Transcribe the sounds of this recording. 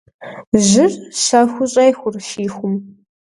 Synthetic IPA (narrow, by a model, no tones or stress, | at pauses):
ʑɪrɕɐxʷʊɕʼɐjxʷʊrʃiːxʷʊm